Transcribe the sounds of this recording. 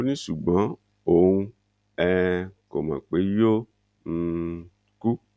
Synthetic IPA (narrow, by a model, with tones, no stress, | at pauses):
o˦nĩ˦ʃu˨ɡ͡bã˨˦ | o˨ũ˧ | ɛ˧ko˨mã̰˨k͡pe˨˦jo˦ | n̩˦˧ | ku˦